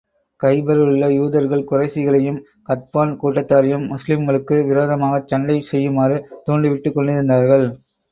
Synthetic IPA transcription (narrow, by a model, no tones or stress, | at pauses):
kɐɪbɐɾɯɯɭːɐjuːðɐɾɣɐɭkʊrɐɪsɪɣɐɭɐjɯm | kɐt̪̚paːnkuːʈːɐt̪ːaːɾɐjɯmːʊslɪmɣɐɭɯkːɯʋɪɾoːðɐmaːɣɐt͡ʃːɐɳɖɐɪsɛjːɯmaːɾɯt̪oːɳɖɯʋɪʈːɯkːɔɳɖɪɾɯnd̪aːɾɣɐɭ